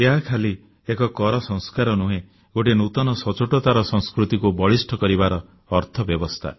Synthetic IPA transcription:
eɦakʰali | ekɔkɔɾɔsɔŋskaɾɔnuɦẽ | ɡoʈenut̪ɔnɔsɔt͡ʃoʈɔt̪aɾɔsɔŋ̃skɾut̪ikubɔɭisʈʰɔkɔɾibaɾɔː | ɾt̪ʰɔbjɔbɔst̪ʰa̰

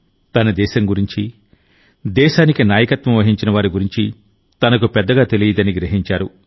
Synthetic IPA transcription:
t̪ɐnɐd̪ɛːʃɐmɡuɾiɲt͡ʃi | d̪ɛːʃaːnikinaːjɐkɐt̪ʋɐmʋɐɦiɲt͡ʃinɐʋaːɾuɡuɾiɲt͡ʃi | t̪ɐnɐkupɛd̪ːɐɡaːt̪e̞lijɐd̪ɐniɡɾiɦiɲt͡ʃaːɾu

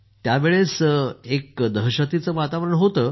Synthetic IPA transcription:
t̪jaʋeɭesekd̪əɦɕat̪it͡səʋat̪aʋəɾəɳɦot̪əː

